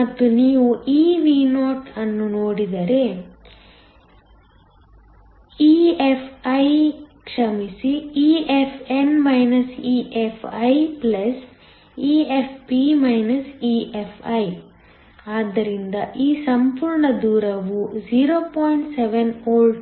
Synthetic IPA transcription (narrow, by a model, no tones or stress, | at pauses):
mɐt̪ːuniːʋuʔiːʋinoːʈɐnːunoːɽid̪ɐɾe̞ | iepʰɐjkʂɐmisiiːepʰenmɐjnɐsiːʔepʰɐjplɐs | iːepʰpimɐjnɐsiːʔepʰɐj | aːd̪ːɐɾind̪ɐʔiːsɐmpuːɾɳɐd̪uːɾɐʋud͡ʒiːɾoːpoːjɳʈseʋenoːlɖ